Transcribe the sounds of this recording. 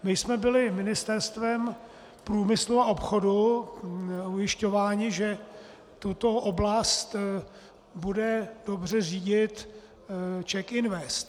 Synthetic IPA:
mɪjsmɛbɪlɪmɪnɪst̪ɛɾst̪vɛm | pɾuːmɪsluao̞pxo̞du | ujɪʃco̞vaːɲɪʒɛ | t̪ut̪o̞ʔoblast̪ | budɛd̥o̞br̝ɛriːɟɪt̪ | t͡ʃɛkɪnvɛst̪

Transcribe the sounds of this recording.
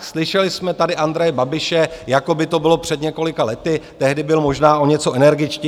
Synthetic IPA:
slɪʃɛlɪsmɛt̪adɪʔand̪ɾɛjɛbabɪʃɛjako̞bɪt̪o̞bɪlo̞pr̝̥ɛd̪ɲɛko̞lɪkalɛt̪ɪt̪ɛɦdɪbɪlmo̞ʒnaːo̞ɲɛt͡so̞ʔɛnɛɾɡɪt͡ʃcɪ

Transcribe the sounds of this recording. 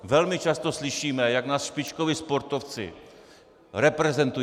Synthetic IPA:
vɛlmɪt͡ʃast̪oslɪʃiːmɛjaɡnaːsʃpɪt͡ʃkovɪspo̞ɾt̪oft͡sɪ̰ | ɾɛpɾɛzɛnt̪u

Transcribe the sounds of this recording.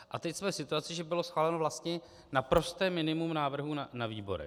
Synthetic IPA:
ʔat̪ɛcsmɛːsɪt̪uat͡sɪʒɛbɪlo̞sxvaːlɛnovlast̪ɲɛ | napɾo̞st̪ɛːmːɪnɪmumnaːvr̩ɦunanaviːbo̞̰ɾɛ̰

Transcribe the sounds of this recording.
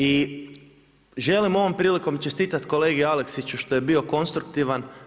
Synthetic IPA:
i | ʒe̞limo̞ʋo̞mpɾiːliko̞mt͡ʃest̪iːt̪at̪ko̞le̞ːɡiale̞ksit͡ɕuʃt̪o̞je̞bio̞ko̞nst̪ɾuk̚t̪iʋan

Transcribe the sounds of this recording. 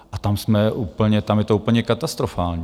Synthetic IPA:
ʔat̪amsmɛʔuːpl̩ɲɛt̪amjɛt̪ouːpl̩ɲɛkat̪ast̪ɾofaːlɲi

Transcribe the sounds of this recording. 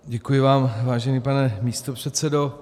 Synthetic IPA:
ɟɛkujɪvaːmvaːʒɛniːpanɛmiːst̪o̞pr̝̥ɛt̪sɛdo̞

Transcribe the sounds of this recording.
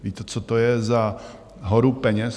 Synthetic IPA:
viːt̪ɛt͡sot̪ojɛza | ɦoɾupɛɲɛs

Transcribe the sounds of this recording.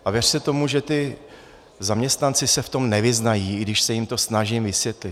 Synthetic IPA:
ʔavjɛr̥sɛt̪o̞muʒɛt̪ɪ | zamɲɛst̪nant͡sɪsɛft̪o̞mnɛvɪznajiːɡdɪʃsɛjɪmt̪o̞snaʒimvɪsvjɛt̪lɪt̪

